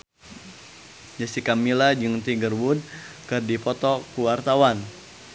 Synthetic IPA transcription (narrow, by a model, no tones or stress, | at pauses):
d͡ʒasikamilad͡ʒɨŋt̪iɡərwud̚ | kərdipɔt̪ɔkuwart̪awan